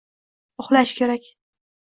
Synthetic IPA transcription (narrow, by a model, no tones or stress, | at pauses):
ʊχlaʃkʲʰe̞ɾakʲ